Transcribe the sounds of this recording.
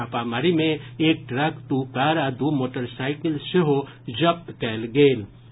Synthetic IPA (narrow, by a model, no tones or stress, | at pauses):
apaːmaɾimẽeːk̚ʈɾɐkt̪ukaːɾad̪umoːʈəɾsaːɪkɪlseɦo | d͡ʒɐp̚t̪kɛːlɡeːl